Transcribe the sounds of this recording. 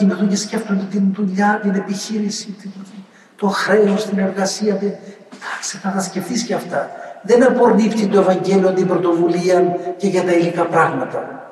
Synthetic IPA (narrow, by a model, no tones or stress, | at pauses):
imiθocesce̞ft̪ond̪et̪inðuʎɐt̪ine̞piçiɾisit̪i | t̪o̞xɾe̞ost̪ine̞ɾɣɐsiɐt̪i | t̪ɐkseθɐθɐsce̞ft̪isceɐft̪ɐðe̞nɐpoɾnift̪it̪oe̞vɐɲɟe̞lioɐnd̪ibɾo̞t̪o̞vuliɐce̞ʝɐt̪ɐilikɐpɾɐɣmɐt̪ɐ